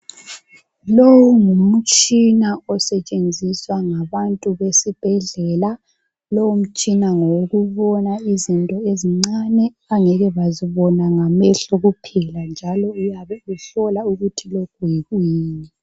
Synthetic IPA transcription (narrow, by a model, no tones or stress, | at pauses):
lowuŋum̩t͡ʃʼinaɔsɛt͡ʃʼend͡zʱiswaŋaβantʼuβesib̥ʱɛɮɛla | lowum̩t͡ʃʼinaŋoɣuβɔnaizintʼɔeziŋ͡ǀanɛ | aŋɛɣɛβaziβɔnaŋamɛɬɔɣupʰɛland͡ʒʱalɔujaβɛuɬɔlauɣutʰiloɡ̥ʱweɣwiːni